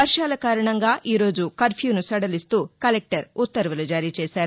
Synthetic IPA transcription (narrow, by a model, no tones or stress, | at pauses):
ʋɐɾʃaːlɐkaːɾɐɳɐŋɡaːʔiːɾo̞ːd͡ʒukɐɾpʰjuːnusɐɽɐlist̪uːkɐlek̚ʈɐɾut̪ːɐɾʋɐlud͡ʒaːɾiːt͡ʃɛːsaːɾu